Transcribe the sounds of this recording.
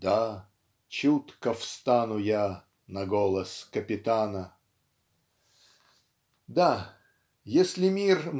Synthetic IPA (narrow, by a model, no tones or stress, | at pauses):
d̪a | t͡ɕut̪kəfst̪anʊja | nɐɡolˠəskəpʲɪt̪anə | d̪a | jesʲlʲɪmʲirm